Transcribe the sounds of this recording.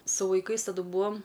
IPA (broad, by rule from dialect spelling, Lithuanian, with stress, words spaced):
sʊ ʋɐɪˈkɐɪs tɐˈdʊ ˈbuːɐm